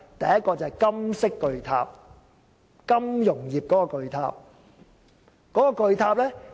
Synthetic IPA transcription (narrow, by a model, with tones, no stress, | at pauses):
t̪ɐ˨jɐ˦t̚kɔː˧t͡sɐ˨ɛ˨˩jkɐ˥msɪ˥kːɵ˨˧ɥt̪ʰa̰ː˧p̚ | kɐ˥mjʊ˨˩ŋjiː˨p̚kɔː˨˥kɔː˧kɵ˧ɥt̪ʰa̰ː˧p̚ | kɔː˨˥kɔː˧kɵ˧ɥt̪ʰaː˧p̚lɛː˥